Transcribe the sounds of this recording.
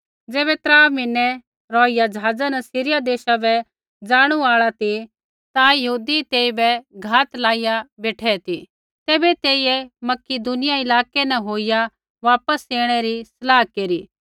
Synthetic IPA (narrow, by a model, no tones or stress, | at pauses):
d͡zeːbɛt̪ɾaːmɪnːɛ | ɾɔːɪjad͡ʒɐɦaːd͡zanɐsiːɾɪjad̪eːʃabɛ | d͡zaːɽ̃uaːɭat̪i | t̪ajɐɦuːd̪it̪eːibɛɡʱaːt̪laːɪjabeːʈʰɛt̪i | t̪eːbɛt̪eːɪjɛmɐkɪd̪unɪjaɪlaːkenɛ̃ɦoːɪja | ʋaːpəseːɽ̃ɛɾisɐlaːɦkeːɾiː